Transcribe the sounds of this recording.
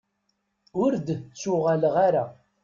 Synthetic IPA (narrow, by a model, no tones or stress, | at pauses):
ʊɾd̪t͡sːʊʁalʁaɾa